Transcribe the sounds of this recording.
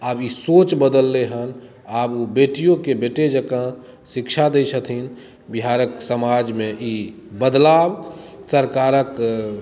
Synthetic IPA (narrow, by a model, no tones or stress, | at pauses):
aːbisot͡ʃbəd̪əlːeɦən | abobeʈijõkebeʈed͡ʒəkã | sikt͡ʃʰad̪ət͡ʃʰət̪ʰin | biɦaɾəksəmad͡ʒmẽi | bəd̪labsəɾkaɾək